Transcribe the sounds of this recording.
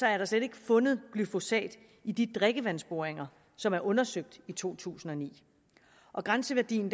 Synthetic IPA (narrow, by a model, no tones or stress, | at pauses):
sɒæɐɾ̥ɑ̈sleɾ̥e̝ɡ̥əfɔ̽nð̞̩ˠɡ̥lyfo̝sɛ̰ːd̥ | id̥id̥ʁeɡ̥əʋæn̰sb̥o̝ɐeŋɐ | sɒ̽mæɐʔɔ̽nɐsøɡ̥̚d̥it͡sʰo̝̰ːt͡sʰṵːsn̩ɒ̽nḭː | ʔɒ̽ɡ̥ʁansəʋæɐd̥ḭːn̩d